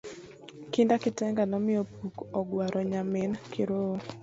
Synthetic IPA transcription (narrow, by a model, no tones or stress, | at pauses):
kɪndakɪtɛŋɡanɔmɪopukɔɡwaɾʔɔɲamɪnkʰɪɾo